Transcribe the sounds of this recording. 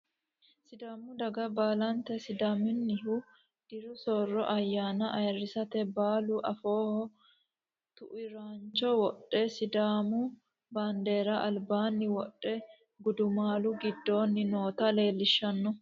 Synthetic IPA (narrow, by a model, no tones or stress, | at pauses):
sɪd̪aːmʊd̪ɐɡɐbaːlɐnt̪ɛsɪd̪aːmɪnːɪɦʊ | d̪̥ɪɾʊsɔrːɔʔɐjːaːnɐʔɐjrːɪsɐt̪ɛbaːlʊʔɐfo̞ːhɔ | t̪ʊʔɪɾaːnt͡ʃːɔwɔɗʼːɛsɪd̪aːmʊ | baːnd̪e̞ːɾɐʔɐlbaːnːɪwɔɗːɛ | ɡʊd̪ʊmaːlʊɡɪd̪ːo̞ːnːɪno̞ːt̪ɐle̞ːlːɪʃːɐnːɔ